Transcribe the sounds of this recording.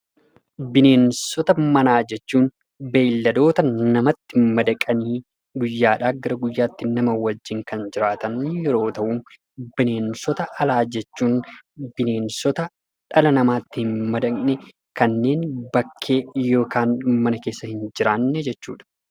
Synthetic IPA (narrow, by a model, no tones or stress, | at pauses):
bɪneːnsɔt̪ɐmɐnaːd͡ʒɛt͡ʃːuːn | be̞ːlːɐd̪o̞ːt̪ɐnɐmɐt̪ːɪmɐd̪ɐkʼɐniː | ɡʊjːaːᶑaːɡɐɾɐɡʊjːaːt̪ːɪnɐmɐwɐd͡ʒːɪŋkɐnd͡ʒɪɾaːt̪ɐnjɛɾo̞ːt̪ɐʔuːm | bɪne̞ːnsɔt̪ɐʔɐlaːd͡ʒɛt͡ʃːuːnbɪne̞ːnsɔt̪ɐ | ᶑɐlɐnɐmaːt̪ːɪhɪnmːɐd̪ɐknɛ | kɐnːe̞ːnbɐkʰːe̞ːjo̞ːkaːnmɐnɐke̞ːsːɐhɪnd͡ʒɪɾaːnːɛd͡ʒɛt͡ʃːṵːᶑɐ̥